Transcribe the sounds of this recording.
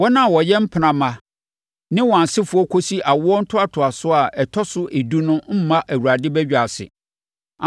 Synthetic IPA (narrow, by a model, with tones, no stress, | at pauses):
wɔ˦nã˦˨wɔ˨jɛ˦m̩˦pʰɪ˨nã˨mã˨ | nɪ̃˦wɔ˨ã˨n˨sɪ˦fʊ˨ɔ˦kʰo˦si˦ʔa˨wʊ˦ɔ˦n̩˦tʰʊ˦a˦tʰʊ˨a˨sʊ˦a˨ʔɛ˨tʰɔ˦sʊ˦ʔe˨du˦nʊ̃˦m̩˦mã˦ʔæ˨wu˨ɾa˨dɪ˦bɛ˦d͡ʑᶣa˨sɪ̰˨ | a˨